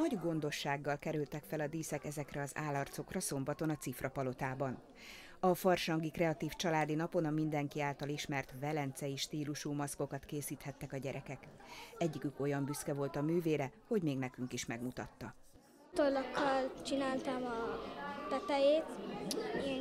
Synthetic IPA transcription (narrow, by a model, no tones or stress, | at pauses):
nɒɟɡo̞nd̪o̞ʃːaːɡːɒlkɛɾylt̪ɛkfɛlɒd̪iːsɛkɛzɛkrɛɒza̰ːlːɒrt̪so̞krɒso̞mbɒt̪o̞nɒt̪sifrɒpɒlo̞t̪aːbɒn | ɒfɒrʃɒŋɡikrɛɒt̪iːft͡ʃɒlaːd̪inɒpo̞nɒmind̪ɛŋkiaːlt̪ɒliʃmɛrt̪vɛlɛnt̪sɛiʃt̪iːluʃuːmɒsko̞kɒt̪keːsiːt̪hɛt̪ːɛkɒɟɛɾʔɛkɛkɛɟːikyko̞jɒmbyskɛvo̞lt̪ɒmyːveːɾɛho̞ɟmeːɡnɛkyŋkiʃmɛɡmut̪ɒt̪ːɒ | t̪orlokːɒlt͡ʃinaːlt̪ɒmɒt̪ɛt̪ɛjeːt̪iɛŋ